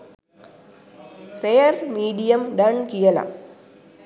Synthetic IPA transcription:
pɾejɐɾmiːɖijɐmɖɐɳkijɐla̰

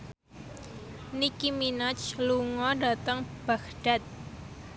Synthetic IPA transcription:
nikiminat͡ʃluŋɔɖat̪əŋb̥akɖ̥a̤t̪̚

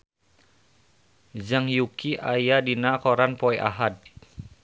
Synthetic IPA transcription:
d͡ʒaŋjukiʔajadinakoɾanpɔɛʔa̰ɦad̚

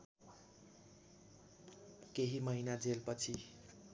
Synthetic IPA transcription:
keɦimʌɦinad͡zelpʌt͡sʰi

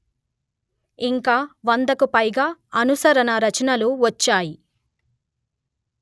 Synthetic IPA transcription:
iŋkaːʋɐnd̪ɐkupɐjɡaːɐnusɐɾɐnɐɾɐt͡ʃɐnɐluʋɐt͡ʃːaːji

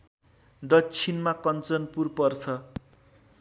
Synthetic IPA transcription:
d̪ʌt͡sʰinmakʌnt͡sʌnpurpʌrt͡sʰʌ

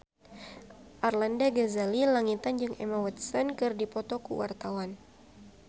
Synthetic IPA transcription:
ʔarlandaɡazalilaŋit̪and͡ʒɨŋɛmawɛt̪̚sankɨrdipɔt̪ɔkṵwʔa̰rt̪awan

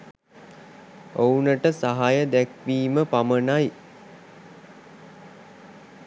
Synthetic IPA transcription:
ounəʈəsaɦajəd̪ækʋiːməpamənaj

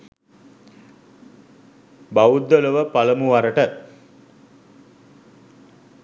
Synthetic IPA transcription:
bawud̪ːoləʋəpaləmuʋaɾəʈə

